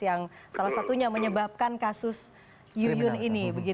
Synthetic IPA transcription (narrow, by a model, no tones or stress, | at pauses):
jaŋsalasat̪uɲaməɲəbap̚kankasʊs | jujʊninibəɡi